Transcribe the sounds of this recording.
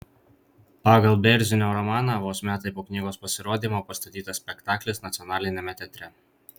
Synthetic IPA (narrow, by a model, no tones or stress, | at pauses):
pɑːɡɐlˠbʲɛɾʲzʲɪnʲoːɾɔmɑːnɑʋoːsmʲæːt̪ɐɪpoːknʲiːɡoːspɐsʲɪɾoːd̪ʲiːmoːpɐst̪ɐt̪ʲiːt̪ɐssʲpʲɛkt̪ɑːklʲɪsnɐt̪sʲɪɔnɑːlʲɪnʲɛmʲɛt̪ʲɛt̪ʲɾʲɛ